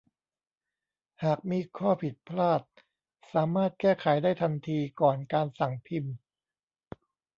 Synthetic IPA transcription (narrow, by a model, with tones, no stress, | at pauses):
haː˨˩k̚miː˧kʰɔː˥˩pʰi˨˩t̪̚pʰlaː˥˩t̪̚ | saː˩˦maː˥˩t̪̚kɛː˥˩kʰa˩˦jdaː˥˩jt̪ʰa˧nt̪ʰiː˧kɔː˨˩nkaː˧nsa˨˩ŋp̪ʰi˧m